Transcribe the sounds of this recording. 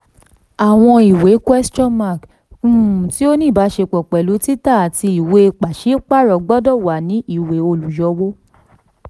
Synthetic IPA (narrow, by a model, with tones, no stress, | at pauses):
a˨w̃ɔ̃˧i˨we˨˦kwɛ˦st͡ʃɔ̃˦ma˦˨k | u˦˨ti˨˦o˦nĩː˦˨ba˨˦ʃe˧k͡pɔ˨k͡pɛ˨lu˨˦ti˦ta˦˨a˨ti˧i˨we˧˦˧k͡pa˨ʃi˨˦k͡pa˦˨ɾɔ˨˦ɡ͡bɔ˦dɔ˦˨wa˨nĩ˨˦i˦˨we˨˦o˧lu˨jɔ˧˦wo˦